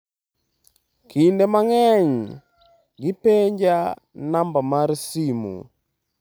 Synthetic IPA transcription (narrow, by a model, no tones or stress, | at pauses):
kʰindemaŋɛɲ | ɡipeɲd͡ʒa | nambamaɾsimṵ